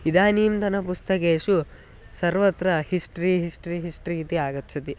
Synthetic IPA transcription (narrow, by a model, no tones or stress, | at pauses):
id̪aːniːmt̪ɐnɐpust̪ɐkeːʂu | sɐɾʋɐt̪ːɾɐhisʈɐɾiːɦisʈɾiːɦisʈɾiːit̪iaːɡɐt̪ːt͡ʃʰːɐt̪i